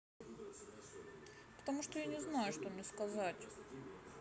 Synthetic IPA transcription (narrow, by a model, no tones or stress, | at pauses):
pə̥t̪ɐmuʂt̪ojanʲɪznajʊʂt̪omʲnʲɪskɐzatʲ